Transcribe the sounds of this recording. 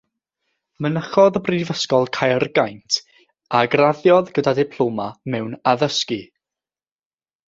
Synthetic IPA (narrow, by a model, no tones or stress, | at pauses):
mənəχɔðəbrivəskɔlˠkʰajrɡajntʰ | aɡraðjɔðɡədadɪpʰl̥ˠomamɛwnaðəski